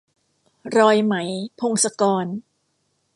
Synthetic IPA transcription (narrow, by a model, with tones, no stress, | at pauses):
ɾɔː˧jma˩˦jpʰo˧ŋsa˧kɔː˧n